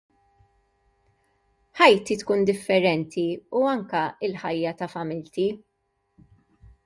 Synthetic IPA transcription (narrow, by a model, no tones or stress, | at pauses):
ħɐjt̪it̪kuːnd̪ɪfːɛɾɛnt̪ʰiuɐŋkɐɪlħɐjːɐt̪ɐfɐmɪlt̪i